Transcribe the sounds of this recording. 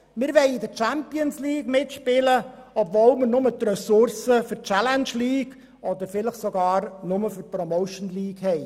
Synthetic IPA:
mɪɾʋɛɪidət͡ʃæmpiənsliːɡmɪtʃpɪləɔbvolməɾnʊmətrɛsʊɾsəfyrt͡ʃælɛnʃliːɡ | ɔdəɾfɪləχsoɡɑːɾnʊməfyrprɔmoʊʃnliːɡ̥hɛɪ

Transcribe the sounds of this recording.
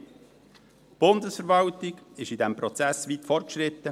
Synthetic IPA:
b̥ʊnd̪əsfəɾvɑltɪɡɪʃidɛmpɾɔt͡sæsʋiːtfɔrt̚kʃɾɪt̪ːə

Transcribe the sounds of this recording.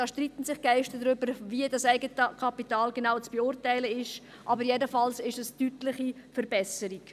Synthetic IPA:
ɑːʃtritən̩sɪχɡ̥ɛɪʃtədʁʏbəɾviədɑsɛɪɡətəkʰɑpitɑːlɡenaʊt͡sb̥eʊrtæɪləɪʃ | ʔɑbəɾjɛdəfɑlsɪʃɛstytlɪχifəɾbɛsəɾik

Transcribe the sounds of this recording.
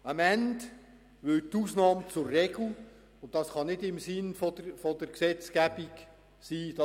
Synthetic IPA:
ɑmænt | ʋʏtuːsnɑːmət͡sʊɾːɛɡl̩ | ʊntd̥ɑsχɑnɪdɪmsɪnfɔfɔdəɾksɛt͡sɡæbik | siːd̥ɑ

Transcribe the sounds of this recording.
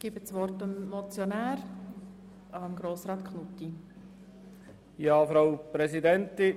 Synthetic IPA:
ɡ̥ibət͡sʋɔrtəmːɔt͡sjonæːɾ | ɑmɡɾoːsɾɑːt̪kχnutːi | jɑːfɾawpɾɛsidɛnt̪ɪ

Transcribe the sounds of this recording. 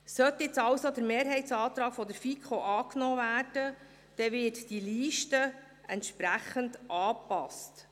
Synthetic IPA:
sœt̪jɪt͡sɑwsod̪əɾmeːɾɦɛɪsɑːt̪ɾɑːkfɔd̪əɾfikʰoʔɑːknoːvæːrd̥ə | d̥ɛvɪtd̥iliːʃtə | ɛntʃpɾæχəndʔɑːpɑst

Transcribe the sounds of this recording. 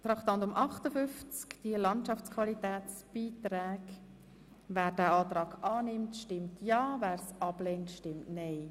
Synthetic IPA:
t̪ɾɑχt̪ɑntʊmʔɑχtəfʏft͡skd̥iəlɑntʃɑft͡skʰvɑlitɛːt͡sb̥iːt̪ɾɛːɡ | væːɾd̥æːɑːt̪ɾɑːɡɑːnɪmtʃtɪmtʰjɑːvæːɾsɑb̥lɛːntʃtɪmtnɛɪ

